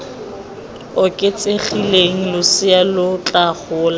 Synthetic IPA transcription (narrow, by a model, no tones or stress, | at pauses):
ʊkʼet͡sʼeχileŋ̩lʊsɪalʊt͡ɬʼaχʊːla